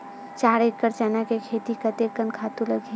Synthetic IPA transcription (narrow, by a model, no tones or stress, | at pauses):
t͡ʃaːɾeʈkːəɾt͡ʃaːnakekʰeːt̪ikət̪ekənkʰaːt̪ulɐɡʱi